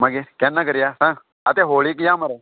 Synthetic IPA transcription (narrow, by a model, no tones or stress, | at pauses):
mãɡekɛːnːakəɾɪjaːsãː | ət̪eːɦoːɭiːkjãːməɾeː